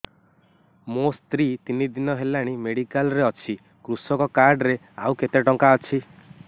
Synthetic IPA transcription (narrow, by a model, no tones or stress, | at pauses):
most̪ɾit̪inid̪inɔɦelaɽ̃imeɽikalɾeɔt͡ʃʰi | kɾusɔkɔkaɾɖɾe | awket̪eʈɔŋkaɔt͡ʃʰi